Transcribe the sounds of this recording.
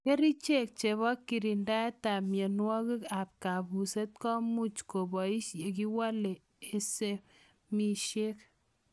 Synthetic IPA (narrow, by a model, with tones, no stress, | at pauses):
ke˦ɾi˦t͡ʃe˦k̚t͡ʃe˨βɔ˦kːi˨ɾi˨nda˦ta˨mje˨nwɔ˦ki˦ka˨p̚ka˨bu˨se˦t̚kɔ˦mu˦t͡ʃko˨bɔ˨i˦ʃe˨k̬i˦wa˦le˨ | e˨se˦ | mi˨ʃe˦k̚